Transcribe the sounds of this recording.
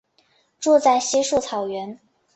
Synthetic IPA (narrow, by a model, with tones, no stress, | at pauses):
ʈ͡ʂwɔ˥˧t͡sa˥˩ɪɕɛ˥ʂu˥˩t͡sʰɑ˨˩ʊɥɛ˧˥n